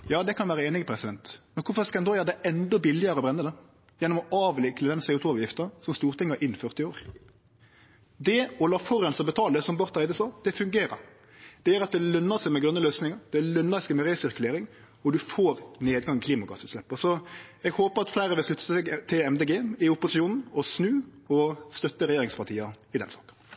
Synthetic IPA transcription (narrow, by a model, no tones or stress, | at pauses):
jɑːd̪ɛkʰɑnʋæːɾəeːnɪɡəpʰɾɛsɪd̪ɛnt̪mɛnkʊɾfɔskɑɛnd̪oːjɑːɾd̪ɛɛnd̪ɔbɪlːɪəɾəɔbɾɛnːəd̪ɛ | jɛnːɔmɔʔɑːʋlɪkləd̪ɛnseːʊːt̪uːɑːʋjɪft̪əsɔmst̪uːɾt̪ʰɪŋːəɾʔɪnːfœʁt̪ɪoːɾ | d̪ɛɔlɑːfɔɾɛnsɑbət̪ʰɑːləd̪ɛsɔmbɑɾt̪æɪd̪əsɑːd̪̥ɛfʉŋɡeːɾə̰ɾ | d̪̥ɛæɾɑt̪̚d̪ɛlœnːəsɛɪmɛɡɾœnːəløːsnɪŋəd̪̥ɛlœnːəsɛɪmɛɾɛsɪɾkʉleːɾɪŋ | ɔd̪ʉfoːɾneːd̪ɡɑŋːkʰliːmɑɡɑsʉːt̪slɛpːəsɔɛɡhoːpəɾɑt̪flæɪɾəʋɪlslʉt̪ːə̥sɛɡt̪ʰɪɛmd̪eːɡeːmɪʊpʊsɪuːnn̩ɔsnʉːɔst̪œt̪ːəɾɛjeːɾɪŋspɑʁt̪ʰiːɑɪd̪ɛnsɑ̰ːkən